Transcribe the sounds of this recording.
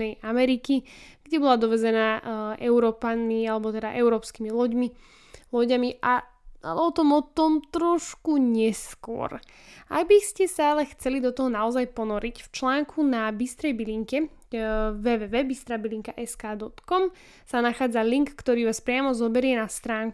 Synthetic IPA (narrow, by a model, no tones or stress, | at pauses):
ɛjamɛɾikiɡ̥ɟɛbɔlad̪ɔʋɛzɛnaːʔɛʊɾɔːpanmialɛbɔt̪ɛd̪a̰ʔɛʊɾɔːpskiːmilɔɟmi | lɔɟamiʔa | a̰lɛɔt̪ɔmɔt̪ɔmt̪ɾɔʃkuɲɛskʊɔ̰ɾ | a̰ɡbiscɛsaalɛxt͡sɛlid̪ɔt̪ɔɦɔnaɔzajpɔnɔɾicft͡ʃlaːŋkʰunabist̪ɾɛjbiliŋkɛ | ʋɛːʋɛːʋɛːbist̪ɾaːbiliŋkaʔɛskaːd̪ɔt̪kɔm | sanaxaːd͡zaliŋkːt̪ɔɾiːʋaːspɾɪamɔzɔbɛɾɪɛnast̪ɾaːŋku